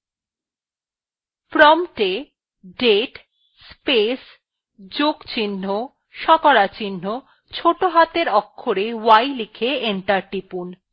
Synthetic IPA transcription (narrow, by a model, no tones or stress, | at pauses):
pɾɔmʈe | ɖeʈ | spes | d͡ʑoɡt͡ɕinːo | ʃɔkɔɾat͡ɕinːo | t͡ɕʰoʈoɦat̪eɾɔkʰːoɾewajlikʰeeɳʈaɾʈipun